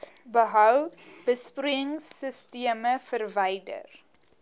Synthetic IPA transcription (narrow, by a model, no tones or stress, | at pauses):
bəɦœwb̥əspruəŋsːəstiəməfərvɛjdə̰r